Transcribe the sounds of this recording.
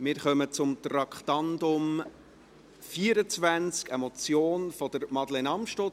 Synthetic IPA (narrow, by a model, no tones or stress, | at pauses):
mɪɾχœmət͡sʊmt̪rɑkχtɑndʊm | fiːəɾət͡svænt͡skɛmot͡sjoːnfɔd̥əɾmɑdlenɑmʃto